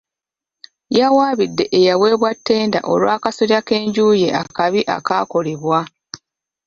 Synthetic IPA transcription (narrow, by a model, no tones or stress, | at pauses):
jawaːβidːe̞ʔejawe̞ːβwatːe̞ːnda̰ʔolwaːkasoɾjake̞ːɲɟuːje̞ʔa̰kaβiʔa̰kako̞leβwa